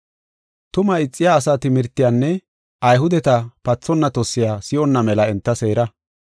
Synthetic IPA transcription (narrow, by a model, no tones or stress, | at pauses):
t̪ʊmɐɪt͡sʼːɪjaːsaːt̪ɪmɪɾt̪ːɪjaːnːɛ | ʔɐjɦʊd̪ɛt̪ɐpɐt͡sːɔnːɐt̪ɔsːɪjaːsɪɔnːɐmɛlɐɛnt̪ːɐse̞ːɾɐ